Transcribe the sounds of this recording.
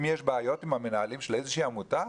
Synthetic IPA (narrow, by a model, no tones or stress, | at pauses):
mjeʃbeajo̞t̪imhamenaalimʃelezeʃiːamuta